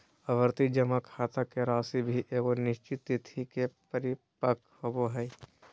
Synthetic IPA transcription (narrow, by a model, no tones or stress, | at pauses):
ɐʋəɾt̪id͡ʒɐmakʰaːt̪akeɾaːsibʱiʔeːɡonɪʃt͡ʃɪt̪ːɪt̪ʰikepəɾi | pək | ɐboɦɐi